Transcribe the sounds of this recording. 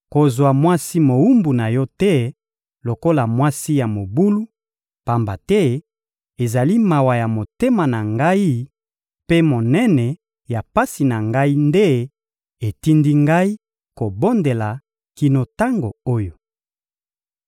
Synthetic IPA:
ko˨zwa˨mwa˦si˦mo˨wu˦mbu˨na˨jɔ˦tɛ˦ | lo˨ko˦la˨mwa˦si˦ja˨mo˨bu˦lu˦ | pa˨mba˨tɛ˦ | e˨za˨li˦ma˨wa˨ja˨mo˨te˦ma˨na˨ŋɡa˦i˦ | pe˦mo˨nɛ˦nɛ˨ | ja˨pa˦si˨na˨ŋɡa˦i˦nde˦ | e˨ti˦ndi˦ŋɡa˦i˦ | ko˨bo˦nde˨la˨ | ki˨no˨ta˦ŋɡo˨o˦jo˨

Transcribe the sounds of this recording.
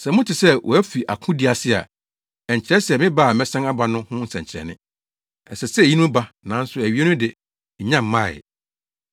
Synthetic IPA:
sɛ̃˨mʊ̃˦tʰɪ˨sɛ˦wʔɔ˨æ˦fi˨ʔa˨kʰʊ̃˦di˨˦a˨sɪ˦a̰˨ | ɛ˨ɲ˨t͡ɕʰɪ˨ɾɛ˦sɛ˨mɪ̃˦ba˦˨mɛ̃˦sɛ̃˦ŋa˦ba˨nʊ̃˦hʊ̃˦n̩˦sɛ̰̃˨ɲt͡ɕʰɪ˨ɾɛ̰˨nɪ̰̃˦ | ɛ˨sɛ˨sɛ˦˨ji˦nũ˦ba˦nã˨˦n̩˦sʊ˨æ˨ɥi˦e˦nʊ̃˦dɪ˨ | ɲ̩˨ɲã˦˨m̩˨mã̰˦˨

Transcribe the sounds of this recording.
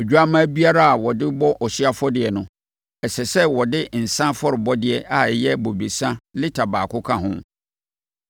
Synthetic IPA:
ɛ˨d͡ʑᶣu˦a˦mã˦bi˦a˦ɾa˦a˨wɔ˨dɪ˦bɔ˦ʔɔ˨ɕi˦a˦fɔ˦dɪ˨ɛ˨nʊ̃˨˦ | ɛ˨sɛ˨sɛ˦wɔ˨dɪ˦n̩˨sã˦fɔ˦ɾɪ˨bɔ˦dɪ˦ɛ˨ʔa˨jɛ˦bo˨bi˨sã˦lɪ˦tʰa˨baː˨kʰʊ˦kʰã˦ɦʊ̰̃˦

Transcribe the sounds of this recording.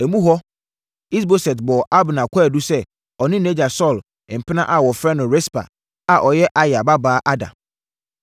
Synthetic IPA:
æ˨mũ˦ɦɔ˦ | i˦sbo˦sɛ˨tbɔ˨ʔa˦bnã˨kʷʰa˦˨du˦sɛ˦ | ɔ˨nɪ̃˦nẽ˦d͡ʑa˨sɔ˦˨l | m̩˨pʰɪ˦nã˦ʔa˨wɔ˨fɾɛ˦nʊ̃˨ɾe˦spa̰˨ | a˨ʔɔ˨jɛ˦ʔa˦ja˨ba˦baː˦ʔa˦dã̰˨

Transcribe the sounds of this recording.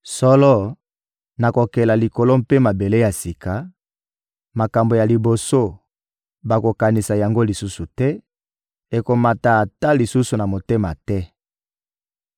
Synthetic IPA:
sɔ˦lɔ˦ | na˨ko˨kɛ˨la˨li˨ko˨lo˦mpe˦ma˨be˨le˦ja˨si˨ka˨ | ma˨ka˨mbo˨ja˨li˨bo˨so˦ | ba˨ko˨ka˨ni˨sa˨ja˨ŋɡo˦li˨su˦su˨tɛ˦ | e˨ko˨ma˨ta˨a˨ta˦li˨su˦su˨na˨mo˨te˦ma̰˨tɛ˦

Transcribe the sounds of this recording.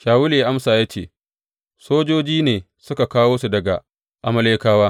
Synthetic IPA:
ʃaː˨wʊ˦leː˨ʔa˦msaː˨jaː˦t͡ʃḛː˦˨ | soː˦d͡ʒoː˦d͡ʒiː˦neː˨ | sʊ˦ka˨kaː˦woː˦su˨dɐ˨ɡa˨ | ʔa˨mɐ˦leː˦kaː˦waː˦

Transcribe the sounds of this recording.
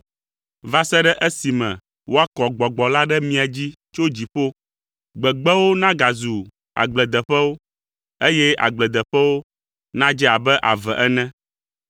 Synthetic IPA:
va˦sɛ˦ɖɛ˦ʔe˦si˨mɛ̰̃˨ | wʔo˦a˦kɔ˨ɡ͡bɔ˨ɡ͡bɔ˨la˦ɖɛ˦mĩ˦a˨d͡ʑi˦t͡ʃo˦d͡ʑi˨ɸo˦ | ɡ͡bɛ˨ɡ͡bɛ˦wo˦nã˦ɡa˨zu˨ | a̰˨ɡ͡blɛ˨d̪ɛ˨ɸɛ˦wo˦ | e˦jɛ˦a̰˨ɡ͡blɛ˨d̪ɛ˨ɸɛ˦wo˦ | nã˦d͡ʒɛ˦a˨bɛ˦ʔa˨vɛ˨ʔɛ˦nɛ̃˦

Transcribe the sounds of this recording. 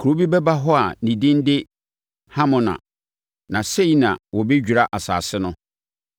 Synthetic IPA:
kʰu˨ɾo˦bi˦bɛ˦ba˦ɦɔ˦a˨nĩ˨dɪ̃˦n˦dɪ˦ | hã˦mʊ̃˨nã̰˨ | nã˨se˦i˨˦nã˨wɔ˨be˦d͡ʑᶣu˨ɾa˦ʔa˨sa̰ː˨sɪ˦nʊ̃˦

